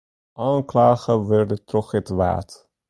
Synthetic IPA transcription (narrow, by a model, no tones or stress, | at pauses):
ʔaːŋklaːχəʋɛrdətrɔχɛtʋa̰ːt